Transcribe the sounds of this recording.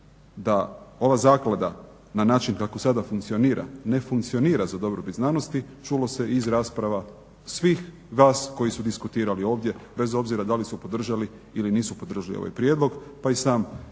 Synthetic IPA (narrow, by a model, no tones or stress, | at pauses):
d̪ao̞ʋazaːklad̪a | nanaːt͡ʃinkako̞sad̪afuŋkt̪sio̞niːɾʔa̰ne̞fuŋkt̪sio̞niːɾazad̪o̞bɾobit̪znaːnost̪it͡ʃulo̞se̞izɾaːspɾaʋa | sʋiːx | ʋaːsko̞jisud̪iskut̪iːɾalio̞ːʋd̪je̞be̞zo̞bziɾad̪alisupo̞d̪r̩ʒali | iliniːsupod̪ɾr̩ʒalḭo̰a̰jpɾjed̪lˠo̞ɡpaisaːm